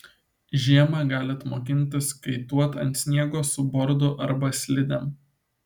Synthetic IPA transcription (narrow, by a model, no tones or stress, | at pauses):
ʒʲiɛmɐɡɑːlʲɪɐt̪moːkʲɪnʲt̪ʲɪskɐɪt̪uɔt̪ɐ̰nʲt̪ʲsʲnʲiɛɡoːsʊbɔɾd̪ʊʔɐɾbɐsʲlʲɪd̪ʲɛm